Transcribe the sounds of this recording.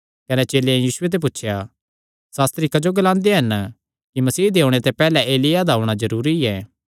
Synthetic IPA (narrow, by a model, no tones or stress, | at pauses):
kɐnɛt͡ʃeːlẽjiːsʊet̪̬ep̬ʊtːʃʰja | saːst̪ɾikɐd͡ʒoɡɐlãːnd̪eɦɐn | kimɐsiːd̪eːõɽ̃et̪epɛːlɛʔeːlɪjad̪aɦʊɽ̃azɐɾuːɾiɛː